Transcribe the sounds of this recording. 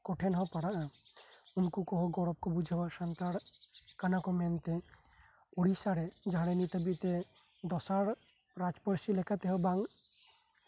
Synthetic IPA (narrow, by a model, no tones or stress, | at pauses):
kɔʈʰenɦɔ̃paɽaʔ | ʊnkukɔɦɔɡɔɽɔp̚kɔbud͡ʒʱəbaʃənt̪aɽkanakɔmɛnt̪ẽ | oɽisaɽɛd͡ʒaɾenit̪əbit̪e | d̪ɔsaɽ | ɾad͡ʒpəɾsilekat̪eɦɔbãŋɡ